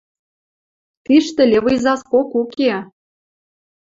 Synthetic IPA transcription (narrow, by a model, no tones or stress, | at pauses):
t̪iʃt̪ɘ̆lʲeβɤjzɑskokuke